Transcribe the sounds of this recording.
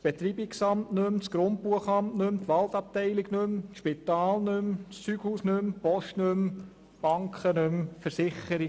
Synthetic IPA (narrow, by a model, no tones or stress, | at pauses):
sb̥et̪ɾiːbiksɑmtnɵmt͡sɡ̥ɾʊnt̚puəχɑmtnɵmt̪ʋɑlt̪ɑp̚t̪ɛɪliɡnɵmʃpit̪ɑːlnɵmst͡syɡ̥huːsnɵmpɔʃtnɵm | b̥ɑŋkʰχənʉmfəɾsɪχəɾi